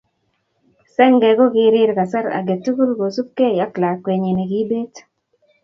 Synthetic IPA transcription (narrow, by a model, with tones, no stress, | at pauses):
sɛ˦ŋɡɛ˨ɡɔ˦ɡɪ˦ɾɪ˦ɾka˨sa˦ɾa̰˨ɡe˨tu˦ku˦lɡo˨su˦kːe˦ja˦kla˨kwe˨ɲe˨ne˨ɡi˦be˦t